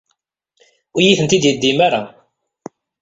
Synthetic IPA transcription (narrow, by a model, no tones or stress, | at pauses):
ʊjiθənt̪id̪jəd̪ːimaɾa